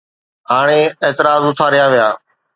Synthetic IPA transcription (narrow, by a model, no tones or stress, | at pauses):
ɦaːɽ̃eːeːt̪ɪɾaːzʊt̪ʰaːɾɪjaːʋɪjaː